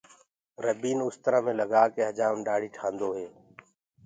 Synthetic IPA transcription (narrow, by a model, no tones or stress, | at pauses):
ɾəbiːnʊst̪əɾãːmẽːləɡaːkeːɦəd͡ʒaːmɗaːɽ̤iːʈʰãːnd̪oːɦeː